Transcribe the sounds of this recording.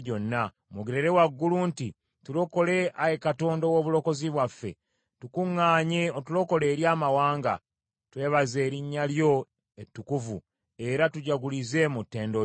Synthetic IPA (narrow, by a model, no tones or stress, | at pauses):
ɟo̞nːa | muɡiɾeɾewaɡːulunti | tulo̞ko̞le̞ajekato̞ːndowoːβulo̞ko̞ziβwafːe̞̰ | tukuŋːaːɲeotulo̞ko̞leːɾjaːmawaːŋɡa̰ | twe̞ːβaze̞ːɾiɲːaljo̞ | etːukuvṵ | e̞ɾatuɟaɡulize̞mutːe̞ːndo